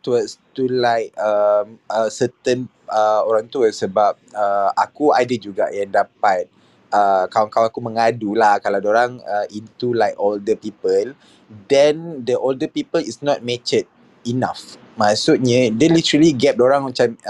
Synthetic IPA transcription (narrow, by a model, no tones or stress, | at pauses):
t̪uəst̪ulajk̚əməsət̪ən | əoɾaŋt̪uəsəbap̚əa̰kua̰dəd͡ʒuɡa̰ʔjaŋdapat̪̚ | əkaw̃ŋkawakumə̃ŋadulahkaladoɾaŋəʔint̪ulajkoldəpipəl | dɛndəʔoldəpipəlisnɔt̚mɛt͡ʃət̚ | inaf | masuʔ̚ɲə̃dɛ̃nlit̪əɾəliɡɛp̚doɾaŋmat͡ʃam